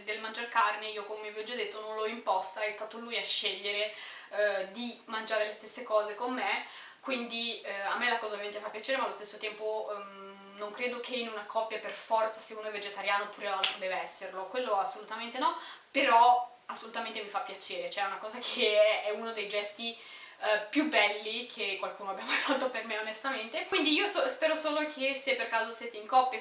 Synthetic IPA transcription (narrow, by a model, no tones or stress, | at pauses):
d̪elmand͡ʒarkarneiːokomemiviɔd͡ʒːad̪ːet̪ːonõnloimpɔst̪aɛst̪aːt̪olujaʃːeʎːeɾe | d̪imand͡ʒaːɾelest̪esːekɔːzekomːe | kwind̪iamːelakɔːzaovjament̪efapːjat͡ʃeːɾemalːost̪esːot̪ɛmpo | noŋkɾeːd̪okʰeinunakʰɔpːjaperfɔrt̪saseunoɛved͡ʒet̪aɾjaːnopuːɾeanoɾd̪ɛːveɛsːerlokwelːoasːolut̪ament̪enɔpeɾɔ | asːolut̪ament̪emifapːjat͡ʃeːɾet͡ʃoɛunakɔːzakʰeɛɛunod̪ejd͡ʒɛst̪i | pjubːɛlːikʰekːwalkuːnoabjamajfat̪ːopermeonest̪ament̪ekwind̪iiːosospɛːɾosoːlokʰesepːerkaːzosjɛːt̪eiŋkɔpːja